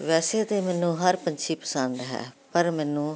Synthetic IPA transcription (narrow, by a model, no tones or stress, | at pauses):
ʋɛːseːt̪eːmɛːnũːɦəɾpəɲt͡ʃʰiːpə̥sə̃nd̪ɦɛ̰ːpəɾmɛːnũː